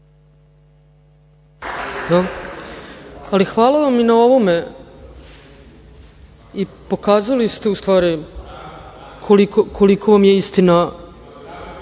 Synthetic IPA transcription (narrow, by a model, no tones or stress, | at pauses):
d̪a | alixʋaːlˠaʋaminao̞ʋo̞me̞ | ipo̞kaːzalist̪e̞ust̪ʋaːɾi | kʰolikokʰo̞likʰo̞ʋamje̞ist̪ina